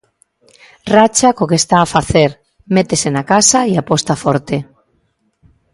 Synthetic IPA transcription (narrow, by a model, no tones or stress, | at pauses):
rat͡ʃakokest̪aːfaθeɾ | met̪esenakasaiapost̪afoɾt̪e